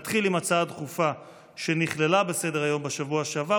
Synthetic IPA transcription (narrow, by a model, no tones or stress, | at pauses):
t̪χilimat͡saadχufa | ʃe̞niχle̞labesedeʁajo̞mbeʃavuaʃeava